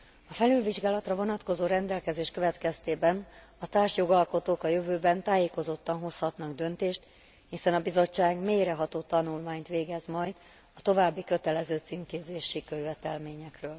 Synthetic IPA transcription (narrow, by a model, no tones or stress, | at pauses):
ɒfɛlylviʒɡaːlɒt̪rɒvo̞nɒt̪ko̞zoːɾɛnd̪ɛlkɛzeːʃkøvɛt̪kɛst̪eːbɛn | ɒt̪aːrʃjo̞ɡɒlko̞t̪oːkɒjøvøːbɛnt̪aːjeːko̞zo̞t̪ːɒnɦo̞shɒt̪nɒɡd̪ø̞nt̪eːʃt̪ | hisɛnɒbizo̞t͡ʃːaːɡmeːjɾɛɦɒt̪oːt̪ɒnulmaːɲt̪ʋeːɡɛzmɒjd̪ | ɒt̪o̞vaːbːikø̞t̪ɛlɛzøːt̪sinkeːzeːʃikøjvɛt̪ɛlmeːɲɛkrøːl